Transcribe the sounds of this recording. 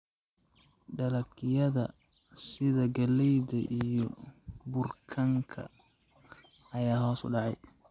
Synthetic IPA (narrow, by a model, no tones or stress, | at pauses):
ɖɐlɐkʰɪjɐðɐ̰ | sɪðɐɡɐlɛjðɐʔijɔbʊrkʰɐŋkʰɐ̰ | jaːɦɔːsʊ̰ɖɑʕɑj